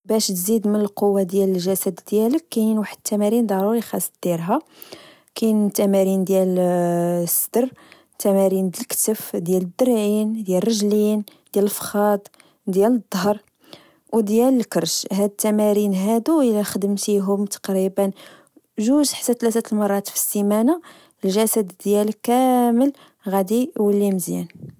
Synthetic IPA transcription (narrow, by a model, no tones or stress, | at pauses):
bæʃt̪zid̪mənəlqowːad̪jæləlʒæsæd̪d̪jæləkːænwaħəd̪̚t̪ːæmæɾind̪ɑɾuɾixɑsˤt̪̚d̪̥jlɦæ | kæjnt̪æmæɾind̪jæl | sːd̪ərˤ | t̪ːæmæɾind̪əlkt̪əfd̪jæləd̪ːəɾʕind̪jælrˤːəʒlin | d̪jæləfxɑd̪ˤ | d̪jæləd̪ˤːɦəɾˤ | wd̪jæləlkəɾʃɦæd̪ət̪ːæmæɾinɦæd̪uəlæxəd̪əmt̪iɦʊmt̪ɑ̥qɾibən | ʒuʒħḁsæt̪læt̪æt̪əlmɑrˤːɑt̪fi̥simæna | lʒæsæd̪d̪jælkæməl | ɣæd̪iwəlːiməzjæn